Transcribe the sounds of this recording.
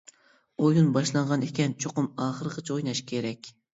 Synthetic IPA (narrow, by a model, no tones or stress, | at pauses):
ojunbɑʃlˠɑɴʁɑnekʲɛnt͡ʃʰoqʊmɑːχəɾəqʰət͡ʃʰojnɑʃkʲʰeɾɛkʲ